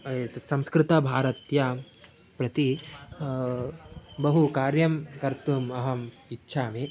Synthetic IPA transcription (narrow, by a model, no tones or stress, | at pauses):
et̪sɐ̃mskɾɪt̪ɐbʱaːɾɐt̪ja | pɾɐt̪i | bɐɦukaːɾjɐmkɐɾt̪umɐɦɐm | itːʃʰaːme